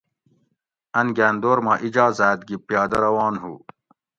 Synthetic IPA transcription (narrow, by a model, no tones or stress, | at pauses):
ɐnɡæːnd̪oːɾmaːʔid͡ʑɑːzæːt̪̚ɡipjɑːd̪ɐɾɐwɑːnɦṵ